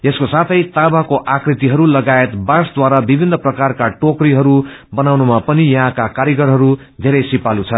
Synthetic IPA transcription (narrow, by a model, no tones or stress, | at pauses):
eskosat̪ʰʌjt̪abakoʔakrit̪iɦʌɾulʌɡaet̪basd̪waɾabibʱinːʌprʌkarkaʈokriɦʌɾubʌnawnumapʌnijʌɦãkakaɾjiɡʌɾɦʌɾu | d̪ʱeɾʌjsipalut͡sʰʌ